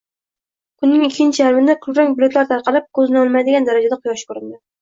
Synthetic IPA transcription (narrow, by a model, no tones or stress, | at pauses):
kʰʊnːɪŋɪkʲʰːɪnt͡ʃʰɪjaɾɪmɪnd̪akʰʊlɾakʲbʊlet̪laɾt̪ʰɑɾqɑlɪp̚kʰɵzɪnɪɒlˠmad̪ɪɡʲand̪aɾad͡ʒad̪aqʰʊjɒʃkɵɾɪnd̪ɪ